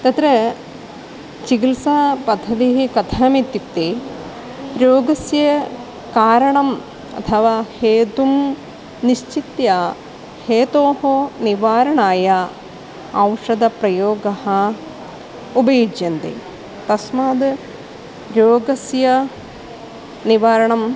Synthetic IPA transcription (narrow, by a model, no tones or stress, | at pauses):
t̪ɐt̪ɾɐ | t͡ʃikilsapɐd̪ʱːɐd̪iɦikɐt̪ʰamit̪ːit̪ːe | ɾoːɡɐsjɐ | kaːɾɐɳɐm | ɐ̰t̪ʰɐʋaːheːt̪um | niʃt͡ʃit̪ja | heːt̪oːhoniʋaːɾɐɳaːjɐ | ɐwʂɐd̪ɐpɾɐjoːɡɐhɐ | ubɐjid͡ʒjɐnd̪ḛː | t̪ɐsmaːd̪ | ɾoːɡɐsjɐ | niʋaːɾɐɳɐm